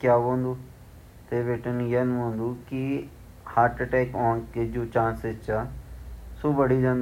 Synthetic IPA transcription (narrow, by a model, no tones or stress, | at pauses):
kjaːʋõːnd̪uː | t̪eːʋeʈənjənɦõːnd̪uːki | haːɾʈʈɛːkɔ̃ːnked͡ʒoːt͡ʃãːnset͡ʃaː | suːʋəɽid͡ʒãːnd̪